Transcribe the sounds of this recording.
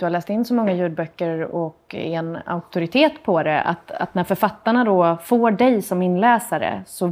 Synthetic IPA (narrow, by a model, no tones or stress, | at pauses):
d̥̪ɵhaɾlɛːst̪ɪnːsɔmɔŋːajʉ̟ːd̪̚bœkːəɾɔkɛna̰ʊk̚t̪ʰʊɾɪt̪ʰeːt̪pʰɔd̪ɛa̰t̪a̰t̪ːnæɾfœɾfat̪ːaɳad̪ɔfoːɖɛjsɔmɪnːlɛːsaɾə̰sɔ